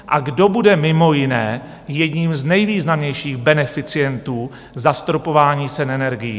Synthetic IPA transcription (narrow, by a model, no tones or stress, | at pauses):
ʔaɡdo̞budɛmɪmojɪnɛː | jɛdɲiːmznɛjviːznamɲɛjʃiːɣbɛnɛfɪt͡sɪjɛnt̪uː | zast̪ɾopo̞vaːɲiːt͡sɛnɛnɛɾɡɪjḭː